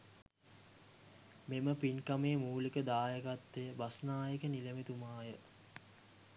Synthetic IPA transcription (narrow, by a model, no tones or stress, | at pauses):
meməpinkameːmuːlikəd̪aːjəkat̪ːejəbasnaːjəkənilemit̪umaːjə